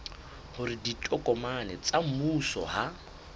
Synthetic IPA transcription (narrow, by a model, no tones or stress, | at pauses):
hʊɾɪditʼɔkʼɔmanɛt͡sʼam̩musɔ̰ha